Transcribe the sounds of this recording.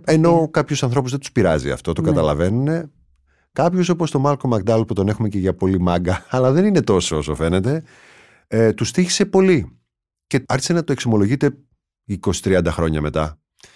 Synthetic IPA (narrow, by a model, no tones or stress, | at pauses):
e̞no̞kɐpçosɐnθɾo̞puzðet̪u̥spiɾɐzḭɐ̰ft̪o̞t̪okɡɐt̪ɐlɐ̰ve̞nune̞ | kɐpço̞s̬o̞po̞st̪o̞mɐlko̞mɐk̚d̪ɐlput̪o̞ne̞xume̞ce̞ʝɐpo̞limɐŋɡɐːlɐðe̞nine̞t̪o̞soo̞so̞fe̞ne̞t̪e̞ | t̪ust̪içi̥se̞po̞li | ce̞ɐɾçi̥senɐt̪o̞e̞kso̞mo̞lo̞ʝit̪e̞ | iko̞si̥t̪ɾiɐnd̪ɐxɾo̞ɲɐme̞t̪ɐ